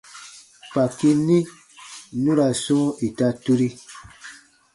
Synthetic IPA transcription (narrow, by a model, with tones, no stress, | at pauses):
pa˨ki˦nĩ˦ | nũ˦ɾa˨sũ˦i˨ta˦tu˦ɾi˦